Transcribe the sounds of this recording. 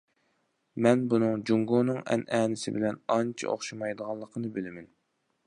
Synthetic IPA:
mɛnbunɨŋd͡ʒuŋɡunɨŋɛ̰nɛːnɪsɪ̰bɪlɛnɑnt͡ʃʰḭʔo̰χʃɨmɑjd̪əʁɑlˠːəqʰənɨbɪlɪmɛn

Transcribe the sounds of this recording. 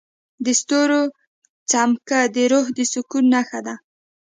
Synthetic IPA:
d̪əst̪oɾo | t͡samkad̪əɾohd̪əsʊkunːaxad̪a

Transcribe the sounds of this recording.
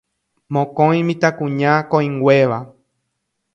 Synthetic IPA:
mõkõj̃mĩt̪akũɲãkõĩŋɡʷeʋa

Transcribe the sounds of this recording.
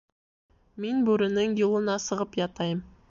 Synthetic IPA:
menbɵɾɪnɪŋjulˠənɑsəʁəpjɑt̪ɑjəm

